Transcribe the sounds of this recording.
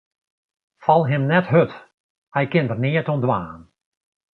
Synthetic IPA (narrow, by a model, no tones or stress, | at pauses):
fɑlˠɦɪmnɛtɦøt | hɛjkɪndərnɪətɔndʋaːn